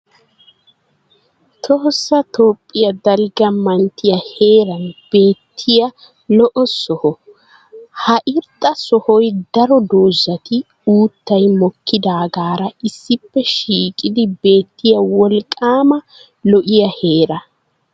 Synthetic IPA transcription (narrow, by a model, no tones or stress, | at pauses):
t̪ʰɔhsːɐt̪oːpʼːɪjɐd̪ɐlɡɐmɐnt̪ːɪjɐhe̞ːɾɐnb̥e̞ːt̪ʰːɪjɐ | lɔʔɔsɔhɔ | hɐʔɪɾt̪ʼːɐsɔhɔjd̪ɐɾɔd̪oːʒːɐt̪ɪ | uːt̪ːɐjmɔkʰːɪd̪aːɡaːɾɐɪsːɪpːɛʃiːkʼɪd̪ɪbe̞ːt̪ːɪjɐwɔlkʼːaːmɐ | lɔʔɪjɐhe̞ːɾɐ